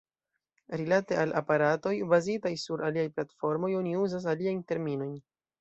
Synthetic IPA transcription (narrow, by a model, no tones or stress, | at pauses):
ɾilate̞alʔapaɾato̞jbazitajsuɾʔaliajplatfo̞ɾmo̞jo̞niuzas̬aliajnte̞ɾmino̞jn